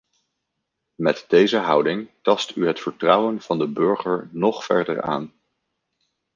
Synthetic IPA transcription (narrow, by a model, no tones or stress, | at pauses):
mɛtd̥ejzəɦʌwdɪŋtɑstyɦətfəɹtrʌwənv̥ɑndəbɵɹχəɹnɔχfɛ̰ɹdə̰ɹa̰ːn